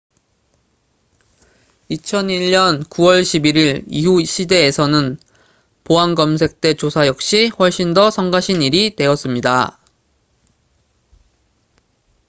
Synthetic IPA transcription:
it͡ɕʰʌniʎːʌnkuwʌɭɕʰibiɾiɾiɦuɕʰide̞ːsʰʌnɯn | poanɡʌmsʰe̞k̚t͈e̞t͡ɕosʰajʌk̚ɕ͈iɸwʌɭɕ͈indʌsʰʌŋɡaɕʰiniɾite̞ʌs͈ɯmɲida

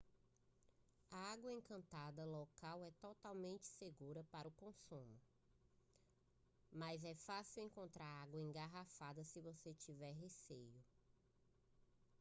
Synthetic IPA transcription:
ɐaɡwɐẽkɐ̃nt̪ad̪ɐlokawɛt̪ɔt̪awmẽnt͡ʃɪ̥seɡuɾɐpaɾʊkõsũmʊ | mazɛfasiwẽŋkõnt̪ɾaɾaɡwɐẽŋɡaɦafad̪ɐsɪvoset͡ʃivɛɾɦesejʊ

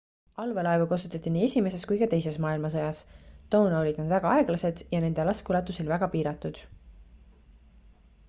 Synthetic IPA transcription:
ɑlvelɑevukɑsut̪ːˑɑt̪ːˑiniːe̞sʲime̞se̞skujkɑt̪e̞jse̞smɑːilmɑs̬ɤjɑst̪o̞wnolʲid̪̥nud̪væɡ̥ɑɑe̞ɡ̥lɑse̞d̪̥jɑne̞nd̪̥e̞lɑskulɑt̪ːˑusilvæɡ̥ɑpiːɾɑt̪ːˑud̪̥

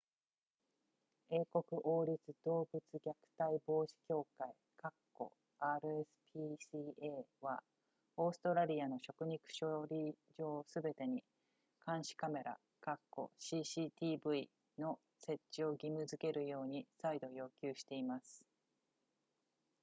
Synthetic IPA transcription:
e̞ːko̞kɯ̟ʔo̞ːɾʲit͡sɨd̪̥o̞ːbɯt͡sɨɡʲakɯ̟̥t̪aibo̞ːɕi̥kʲo̞ːkai | kakːo̞̰ | aːɾɯ̟esɨ̥pʰʲisieːβa | o̞ːsɨ̥t̪o̞ɾaɾʲiano̞ɕo̞kɯ̟ɲ̟ikɯ̟̥ɕoɾʲi | d͡ʑo̞ːsɨbe̞t̪e̞ɲ̟i | kãɰ̃ɕi̥kame̞ɾa̰ | kakːo̞̰ɕiɕiːt̪ʲiːbɯ̟i | no̞ | se̞tt͡ɕːio̞ɡʲimɯ̟zɨke̞ɾʔɯ̟jo̞ːɲ̟isaid̪o̞jo̞ːkʲɨːɕi̥t̪e̞imasɨ̥

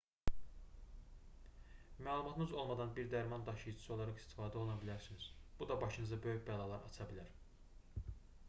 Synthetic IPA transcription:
mæːlˠumɑt̪ʰnɯzo̞lˠmɑd̪ɑnbiɾd̪æɾmɑnd̪ɑʃɯjd͡ʒɯ̥sɯo̞lˠɑɾɑχi̥st̪i̥fɑːd̪o̞lˠnɑbilæɾsiniz̥bud̪ɑbɑʃɯnɯzɑbø̞jyçbælˠɑːlˠɑɾɑt͡ʃʰɑbilæɾ

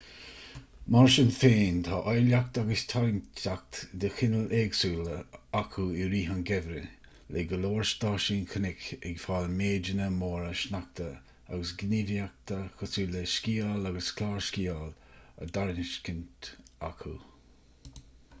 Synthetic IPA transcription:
maɹʃənfeːnt̪ʰaːʔɔjlak̚t̪aɡəst̪ʰaɾntak̚t̪d̪əxɪnəlʔeːɡsuːləakʰuɪɾiːɦanɡɛvɾə | leɡəloːɹʃd̪aːʃiːnkʰənɪkɛɡfaːlmeːd͡ʒənəmoːɾəʃnak̚t̪ʰə | a̰ɡəsɡniɾiak̚t̪əxəsuːləskiːalaɡəskʰlaːɹskiːal | ə̰d̪aɹnɪʃkɪnt̪a̰kʰu

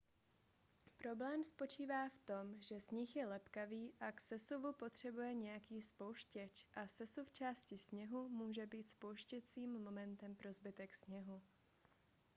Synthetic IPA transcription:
pɾo̞blɛːmspo̞t͡ʃiːvaːft̪o̞mʒɛzɲɪxjɛlɛpkaviːʔaksɛsuvupo̞t̪r̝̥ɛbujɛɲɛjakiːspo̞wʃcɛt͡ʃʔasɛsuft͡ʃaːscɪsɲɛɦumuːʒɛbiːt̪spo̞wʃcɛt͡siːmmo̞mɛnt̪ɛmpɾo̞zbɪt̪ɛksɲɛɦu

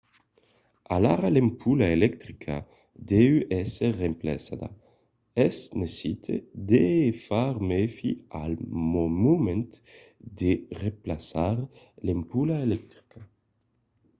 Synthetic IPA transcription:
alaɾalempʰulaelɛk̚t̪ɾikʰa̰ | d̪ewɛserːempla̰sad̪a̰ | esnesit̪ʰḛd̪efaɾmefialmomument̪ | d̪ereplasaɾ | lempulaelɛk̚t̪ɾi̥ka

